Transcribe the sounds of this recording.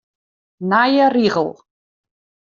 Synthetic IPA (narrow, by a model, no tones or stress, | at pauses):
naːjariʁəl